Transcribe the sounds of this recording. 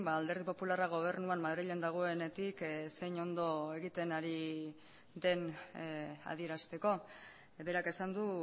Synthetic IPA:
baːld̪e̞ɾð̞ipo̞pularaɣ̞o̞β̞e̞ɾnuanmaðɾiʎe̞nd̪aɣ̞o̞e̞ne̞t̪ikse̞jɲo̞nd̪o̞e̞ɣit̪e̞naɾi | ðe̞n | a̰ð̞ie̞ɾast̪e̞ko̞ | be̞ɾake̞sand̪u

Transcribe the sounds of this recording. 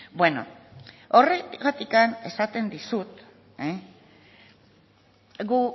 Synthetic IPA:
bwe̞no̰o̞reɣat̪ikane̞sat̪e̞nd̪isut̪ | e | ɣu

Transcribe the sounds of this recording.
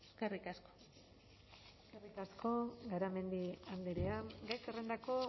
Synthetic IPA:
eskerikasko̥ | eskerikasko̞ɡaɾame̞nd̪iand̪eɾeaŋɡajkere̞nd̪ako̞

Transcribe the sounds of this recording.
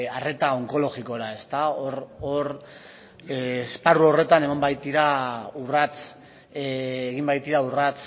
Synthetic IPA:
are̞t̪ao̞ŋko̞lo̞ɣiko̞ɾae̞st̪aoɾoɾ | esparuo̞re̞t̪ane̞mambajt̪iɾaurat͡s | eɣimbajt̪iɾaurat͡s

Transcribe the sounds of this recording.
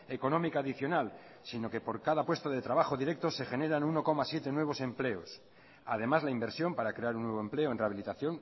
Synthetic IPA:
e̞ko̞nomikaːðiθjo̞nal | sino̞ke̞po̞ɾkaðapwe̞st̪aðe̞t̪ɾaβ̞axoðiɾe̞k̚t̪o̞se̞xe̞ne̞ɾanuno̞ko̞masje̞t̪e̞nwe̞β̞o̞se̞mple̞o̞s | a̰ð̞e̞mazlaimbe̞ɾsjo̞mpaɾakɾe̞aɾunːwe̞β̞oemple̞o̞enreaβilit̪aθjo̞ŋ

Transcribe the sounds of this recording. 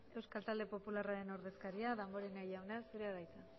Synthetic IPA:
e̞wskalt̪ald̪e̞po̞pularaɾe̞no̞ɾðe̞skaɾiaðamboɾeŋajawnasuɾeaɣajt͡sa

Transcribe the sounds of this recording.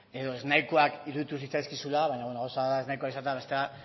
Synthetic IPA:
e̞ðo̞e̞znajkoakiɾuðit̪usit͡sajskisulaβaɲaβenoɣawsaðaeznajkoaisat̪eaβe̞st̪ea

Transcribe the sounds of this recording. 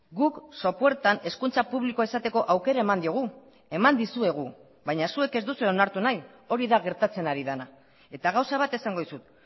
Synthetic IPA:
ɡukso̞pwe̞ɾt̪ane̞skunt͡sapuβliko̞esat̪e̞ko̞ʔawke̞ɾae̞mand̪io̞ɣ̞u | e̞mand̪isue̞ɣ̞u | βajɲasue̞ke̞zd̪usueonaɾt̪unaj | o̞ɾiðaɣe̞ɾt̪at͡se̞naɾiðana | e̞t̪aɣawsaβ̞at̪e̞saŋɡo̞ðisut̪̚

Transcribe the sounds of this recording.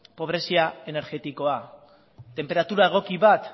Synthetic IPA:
po̞β̞ɾe̞siaene̞ɾɣe̞t̪iko̞a | t̪e̞mpe̞ɾat̪uɾae̞ɣ̞o̞kiβat̪

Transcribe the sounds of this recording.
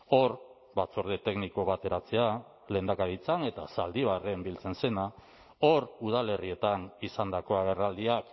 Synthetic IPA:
o̞ɾ | bat͡soɾðet̪e̞ɡniko̞βat̪e̞ɾat͡se̞a | le̞nd̪akaɾit͡sane̞t̪asald̪iβare̞mbilt͡se̞nse̞na | o̞ɾuð̞ale̞rie̞t̪anisand̪ako̞aɣ̞e̞rald̪iak

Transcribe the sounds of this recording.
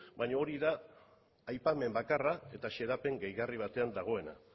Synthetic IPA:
baɲaoɾiðaː | jpame̞mbakarae̞t̪aʃe̞ɾape̞ŋɡejɣariβ̞at̪e̞and̪aɣ̞o̞e̞na̰

